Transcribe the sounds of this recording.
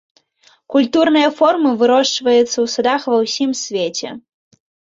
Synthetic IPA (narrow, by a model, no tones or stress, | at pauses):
kulʲt̪urnɨjɐfɔrmɨvɨɾɔʂt͡ʂvɐjɛt̪sːɐwsud̪axvɐwsʲimsʲvʲet͡sʲɛ̰